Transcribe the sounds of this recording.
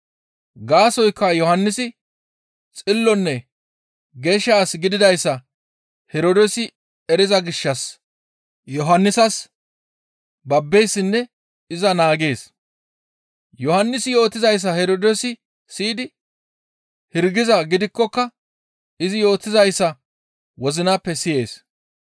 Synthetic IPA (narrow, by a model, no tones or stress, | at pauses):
ɡaːsɔjkːɐjɔhɐnːɪsɪ | t͡sʼɪlːɔnːɛ | ɡeːʃaːsɡɪd̪ɪd̪ɐjsːɐ | hɛɾoːd̪ɛsɪ | ɛɾɪzɐɡɪʃːɐs | jɔɦɐnːɪsɐs | bɐbːejsːɪnːɛ | ɪzɐnaːɡe̞ːs | jɔhɐnːɪsɪjo̞ːt̪ːɪzɐjs̬ːɐhɛɾoːd̪ɛsɪ | siːd̪ɪ | hɪɾɡɪzɐɡɪd̪ɪkːɔkːɐ | ɪzɪjo̞ːt̪ːɪzɐjsːɐ | wɔzɪnaːpːɛsɪje̞ːs